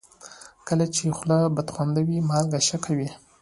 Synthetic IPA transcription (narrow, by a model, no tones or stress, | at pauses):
kəlat͡ʃexlabad̪xwand̪awimɑlɡaʃakʰawi